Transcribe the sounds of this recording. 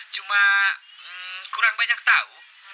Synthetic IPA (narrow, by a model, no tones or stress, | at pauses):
t͡ʃuma | kuɾaŋbaɲak̚t̪au